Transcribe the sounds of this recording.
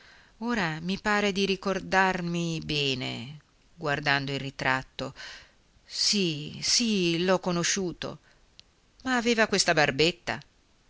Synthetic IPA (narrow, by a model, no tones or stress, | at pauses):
oːɾamipaːɾed̪iɾikord̪armibɛːnḛ | ɡward̪and̪oirit̪ɾat̪ːo | sisilɔkːonoʃuːt̪o̰ | maːveːvakwest̪abarbet̪ːa̰